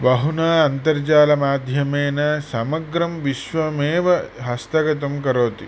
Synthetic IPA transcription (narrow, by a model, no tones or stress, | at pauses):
bɐɦunɐːɐnt̪ɐɾd͡ʒaːlɐmaːd̪ʱjɐmeːnɐsɐmɐɡɾɐmʋiʃʋɐmeːʋɐɦɐst̪ɐɡɐt̪̬ɐmkɐɾoːt̪i